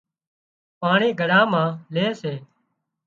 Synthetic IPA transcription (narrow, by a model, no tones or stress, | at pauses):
paːɳeːɡʱəɽãːmãːleːseː